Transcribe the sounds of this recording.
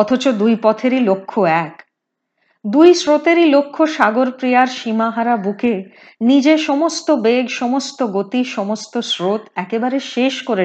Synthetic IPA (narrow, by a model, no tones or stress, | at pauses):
ɔt̪ʰot͡ɕod̪ujpɔt̪ʰeɾilokʰːoɛk | d̪ujsɾot̪eɾilokʰːoʃaɡoɾpɾijaɾʃimaɦaɾabuke | nid͡ʑeʃɔmost̪obeɡʃɔmost̪oɡot̪iʃɔmost̪osɾot̪ɛkebaɾeʃeʃkoɾe